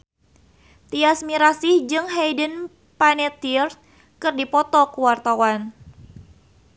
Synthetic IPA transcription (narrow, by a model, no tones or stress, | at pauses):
t̪iasmiɾasihd͡ʒɨŋɦɛjdən | panɛt̪ir̚ | kɨrdipɔt̪ɔkuwart̪awan